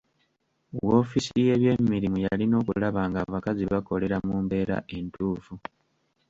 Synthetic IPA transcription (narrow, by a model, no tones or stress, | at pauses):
wwo̞ːfisije̞βje̞mːiɾimujalino̞ːkulaβaːŋɡaːβakaziβako̞le̞ɾamuːmbe̞ːɾa̰ʔe̞ntuːfu